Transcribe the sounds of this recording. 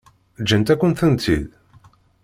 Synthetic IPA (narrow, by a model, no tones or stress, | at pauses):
d͡ʒːənt̪ækʷːənθənt̪ʰːḭð